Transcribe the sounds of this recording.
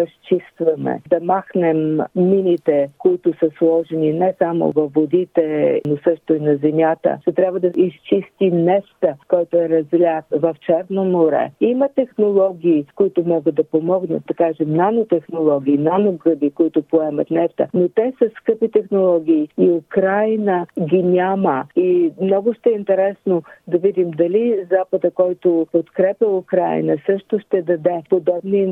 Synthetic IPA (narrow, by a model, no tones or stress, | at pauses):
ɐst͡ʃist̪vɐmɛ̰d̪ɐmaxnɛmːinit̪ɛkoit̪ʊsəslˠɔʒɛninɛsamo̰vɐfːod̪it̪ɛnosɤʃt̪ʊinɐzɛmʲjat̪ə̰ʃt̪ɛt̪ɾʲabvəd̪ɐist͡ʃist̪inɛst̪əkɔjt̪ʊɛɾɐzlʲat̪vɐft͡ʃɛɾnomoɾɛ̰imət̪ɛxnolˠɔɡʲiːkoit̪ʊmɔɡəd̪d̪ɐpomɔɡnə̰t̪̚d̪ɐkaʒɛmnanot̪ɛxnolˠɔɡʲiːnanoɡɾəd̪ikoit̪ʊpoɛmət̪nɛft̪ə̰not̪ɛsəskɤpit̪ɛxnolˠɔɡʲiːiʊkɾajnəɡʲinʲaməimnɔɡʊʃt̪ɛint̪ɛɾɛsnod̪ɐvid̪imd̪ɐlizapəd̪əkɔjt̪ʊpot̪kɾɛpʲjɐʊkɾa̰jnəsɤʃt̪oʃt̪ɛd̪ɐd̪ɛpod̪ɔbni